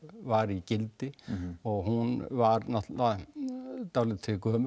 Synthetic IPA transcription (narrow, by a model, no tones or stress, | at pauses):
vaɾicɪlt̪ɪɔɣhunvaɾnaht̪la | t̪awlɪt̪ʰɪlkœːmʏ